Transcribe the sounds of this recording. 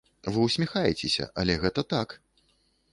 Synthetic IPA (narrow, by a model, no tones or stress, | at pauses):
vɨwsʲmʲixajɛt͡sʲesʲɐ̰ʔɐlʲɛɣɛt̪ɐt̪ak